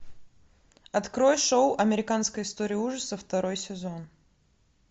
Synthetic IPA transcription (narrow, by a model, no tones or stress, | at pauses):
ɐt̪kɾo̞jʂowʔɐmʲɪɾʲɪkanskəjɪst̪oɾʲɪjuʐəsəft̪ɐɾo̞jsʲɪzo̞n